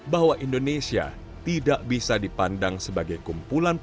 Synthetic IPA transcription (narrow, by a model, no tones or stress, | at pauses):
baɦwaʔindonesia̰ | t̪idaʔbisadipandaŋsəbaɡajkumpulan